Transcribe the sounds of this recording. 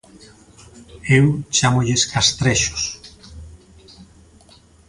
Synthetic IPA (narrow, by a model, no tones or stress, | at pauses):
ewt͡ʃamoʎɪskast̪ɾeʃo̥s